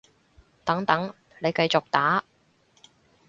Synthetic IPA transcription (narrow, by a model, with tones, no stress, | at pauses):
t̪ɐ˨˥ŋt̪ɐ˨˥ŋ | le˨˧jkɐ˧jt͡sʊ˨k̚t̪aː˨˥